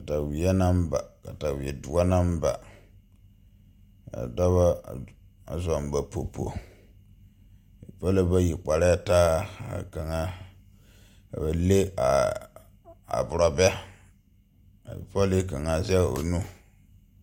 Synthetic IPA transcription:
ka˨ta˨wi˨ɛ˦na˦m˦ba̰˨ka˨ta˨wi˨ɛ˨dʊ˨ɔ˦na˦m˦ba̰˨ | a̰˨dɔ˦βa˦˨ | a̰˨zɔ˨mba˨po˨po̰˨ | ḭ˨pa˦la˦ba˦ji˨k͡pa˨ɾɛ˦˨taː˦a̰˨ka˨ŋa˦˨ | ba˨le˦a̰˨ | a̰˨bʊ˨ɾɔ˨bɛ˦ | a̰˨jḭ˨pɔ˦le˦ka˨ŋa˨zɛ˦˨o̰˨nu˦

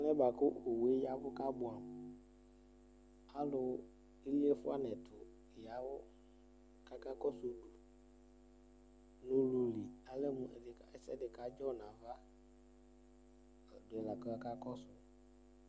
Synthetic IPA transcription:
a˦nɛ̃˦ba˨kʊ˦o˨we˨˦ja˨vʊ˦ka˦bʊ˨a˨m | a˦lʊ˨˦ | i˦li˦e˦fʊ˦a˦nɛ̃˨tʰʊ˨ | ja˨wʊ˦ | ka˦ka˦kɔ˦sʊ˨du˨ | nʊ̃˦lu˨li˨a˨lɛ˦mʊ̃˨dɪ˨ka˨ɛ˦sɛ˦dɪ˨ka˨˦d͡ʒɔ˦˨nã˨va˦˨ | dʊ˨ɛ˨la˨kɔ˦ka˦ka˦kɔ˦sʊ˨

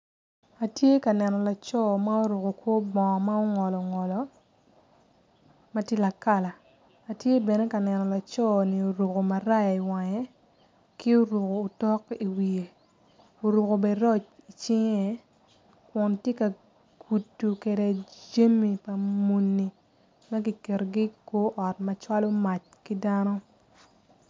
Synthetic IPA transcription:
a˨tje˦ka˨nɛ˨nɔ˨la˨t͡ʃɔ˦ma˦o˦ɾu˨ko˨kwo˦bɔ˨ma˦o˦ŋɔ˨lɔ˨ŋɔ˨lɔ˨ | ma˦tje˦la˨ka˦˨laː˨ | tje˦bɛ˨nɛ˦ka˨nɛ˨nɔ˨la˨t͡ʃɔ˦ni˨o˨ɾo˨ko˨ma˨ɾa˦ji˨wa˨ɲɛ˦ | kɪ˦o˦ɾu˨koː˨tɔ˦ki˨wi˨e˨ | o˨ɾu˨ko˨be˨ɾɔ˦t͡ʃi˨t͡ʃɪ˦ŋe˦ | kwɔ˨ntje˦ka˨ | ɡ̥u˨tːu˨ke˨de˨d͡ʒe˦mi˨pa˨mu˨nːi˨ | ma˦ɡi˨ke˨ɾɡi˦ko˦ʔɔ˨tmɐ˨t͡ʃwa˦lo˦ma˨t͡ʃki˦da˦nɔ˦

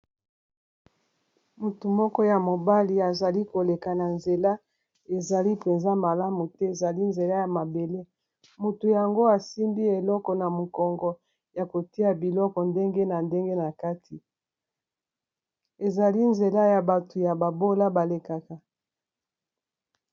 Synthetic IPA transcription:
mu˨tu˨mɔ˦kɔ˦ja˨mo˨ba˦li˨a˨za˨li˦ko˨le˨ka˨na˨nze˨la˦ | e˨za˨li˦pe˨nza˦ma˨la˦mu˨tɛ˦e˨za˨li˦nze˨la˦ja˨ma˨be˨le˦ | mo˨tu˨ja˨ŋɡo˦a˨si˦ndi˦e˨lɔ˦kɔ˨na˨mo˨kɔ˨ŋɡɔ˨ | ja˨ko˨ti˦a˨bi˨lɔ˦kɔ˨nde˦ŋɡe˦na˨nde˦ŋɡe˦na˨ka˦tʰi˨ | e˨za˨li˦nze˨la˦ja˨ba˨tu˨ja˨ba˨bo˦la˦ba˨le˨ka˨ka˨

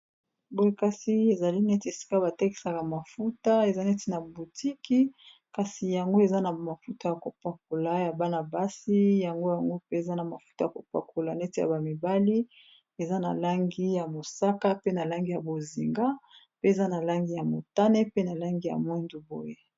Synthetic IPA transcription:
bo˦je˦ka˦si˦e˨za˨li˦nɛ˦ti˨e˨si̥˦ka˦ba˨te˦ki̥˨sa˨ka˨ma˨fu˦ta˦e˨za˦nɛ˦ti˨na˨bu˨ti˦ki˦ | ka˨si˨ja˨ŋɡo˦e˨za˦na˨ma˨fu˦ta˨ja˨ko˨pa˨k̚o˨la˦ja˨ba˦na˨ba˦si˦ja˨ŋɡo˦ja˨ŋɡo˦pe˦e˨za˦na˨ma˨fu̥˦ta˨ja˨ko˨pa̰˨kʰo˨la˨nɛ˦ti˨ja̰˨ba˨mi˨ba˦li˦ | e˨za˦na˨la˦ŋɡi˦ja˨mo˨sa˦ka˦pe˦na˨la˦ŋɡi˦ja˨bo˨zi˨ŋɡa˦ | pe˦e˨za˦na˨la˦ŋɡi˦ja˨mo̰˨ta˦ne˦pe˦na˨la˦ŋɡi˦ja̰˨mwɛ˦nzo˨bo̰˦je˦

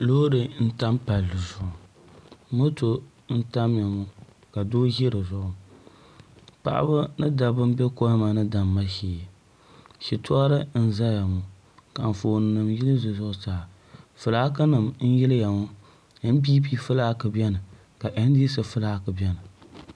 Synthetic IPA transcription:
lo˦ɾɨ˨n̩˦ta˦mpa˨lːɨ˨zʊ˨ʔʊ˨ | mo˦to˦ | n̩˦ta˦mja˨mʊ˦ | ka˨doː˦ɣɪ˦ɾɨ˨zʊ˦ʔʊ˦ | pa̰˨ʔa̰˦bɨ˦nɨ˦da˨bɨ˦m˦bɛ˦ko˦ma˨nɨ˦da˨mːa˦ʃiː˨ | ʃi˨tʊ˦a˦ɾɨ˦n̩˦za˦ja˨mʊ˨ | ka˨n̩˨foː˨nɨ˨nɨ˨mji˦lɨ˦zʊ˨zʊ˦ʔʊ˦saː˨ | fɨ˨laː˦k̬ɨ˦nɨ˨mn̩˦jɪ˦lɨ˦ja˨mʊ˦ | m̩˦biː˦pi˦fɨ˦laː˦kɨ˨bɛ˦nɨ˨ | ka˨ʔɛ˨n˦di˦s̬ɨ˨fɨ˦laː˦kɨ˨bɛ˦nɨ˨

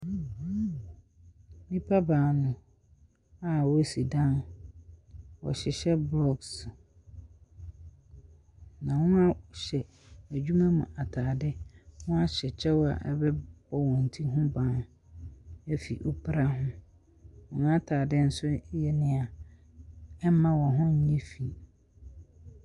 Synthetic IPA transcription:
nĩ˦pʰa˦baː˨nʊ̃˨ | a˨wɔ˦˨si˨dã˦n | wɔ̰˨ɕɪ˨ɕɛ˦blɔ˦ɡs | nã˨wʊ̃˦a˦ɕɛ˨ | æ˨d͡ʑᶣu˦mã˦mʊ̰̃˨ʔa˨tʰaː˨dɪ˦wʊ̃˦a˦ɕɛ˨t͡ɕʰɛ˦wɔ˦a̰˨ʔɛ̰˦bɛ˦ɔ˦wɔ̃˨n̩˨tʰi˦ɦʊ̃˦bã˨ñ˨˦ | ɛ˦fi˨ʔo˦pʰɾa˦ɦʊ̃˦ | ɔ̃˨nʊ̃˦a˦tʰaː˨dɪ˦n̩˨sʊ˦jɛ˨nɪ̃˨a˨ | ɛ˦mã˦wɔ˨ɦʊ̃˦ɲ̩˦ɲɛ̃˦fi˨

